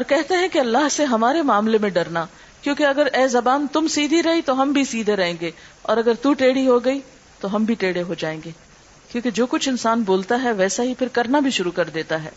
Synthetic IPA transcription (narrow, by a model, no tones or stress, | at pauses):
ɔːɾkɛɦt̪eɦɛ̃keɐlːaːɦseɦɐmaːɾemaːmlemẽɖɐɾna | kjõːkeɐɡəɾɛːzɐbaːnt̪ʊmsiːd̪ʱiɾɐɦit̪oɦɐmbʱisiːd̪ʱeɾɐɦẽːŋɡeːɔːɾɐɡəɾt̪uʈeːɽiɦoɡɐi | t̪oɦɐmbʱiʈeːɽeɦod͡ʒaːẽːŋɡeː | kjõːked͡ʒoːkʊt͡ʃʰɪnsaːnboːlt̪aɦɛʋɛːsaɦipʰɪɾkɐɾnabʱiʃʊɾukɐɾd̪eːt̪aɦɛ̰ː